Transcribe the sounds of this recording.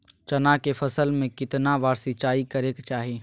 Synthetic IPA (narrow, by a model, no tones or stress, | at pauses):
t͡ʃɐnakefʰɐsəlmẽkɪt̪naʋaːɾsit͡ʃaːikəɾeːkt͡ʃaːɦie